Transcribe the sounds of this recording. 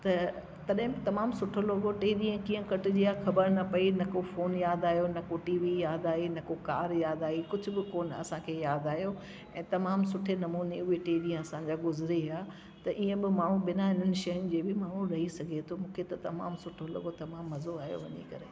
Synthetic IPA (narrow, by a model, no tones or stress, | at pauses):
t̪ɐ | t̪ɐɗɦɪ̃bɪt̪ɐmaːmsʊʈʰolɐɡoʈeːɗiə̃kĩːə̃kɐʈʊd͡ʑiːaxɐbəɾnɐpɐinɐkofoːnjaːd̪aːɦjonɐkoʈiːʋijaːd̪aːinɐkokaːɾjaːd̪aːikʊd͡ʑʱʊ̆bɪkoːnɐ̰sãkʰeːjaːd̪aːɦjo | ɛ̃ːt̪ɐmaːmsʊʈʰenɐmuːneʊeʈeːɗiə̃ɐsãd͡ʑaɡʊzɪɾeaː | t̪ɐʔiə̃bɪmaːɳ̤̃ũbɪnaɦɪn̤ənɪ̆ʃɐjʊnɪ̆d͡ʑeːbɪmaːɽũɾɐɦisɐɡʱet̪ʰomũːkʰet̪ɐt̪ɐma̰ːmsʊʈʰolɐ̰ɡot̪ɐmaːmːɐzoaːɦijo̰ʋɐɲḛkɐɾeː